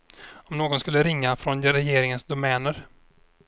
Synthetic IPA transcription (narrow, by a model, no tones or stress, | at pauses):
ɔmnoːɡɔnskɵlːəɾɪŋːafɾɔnɾɛjeːɾɪŋənsd̪ʊmɛːnəɾ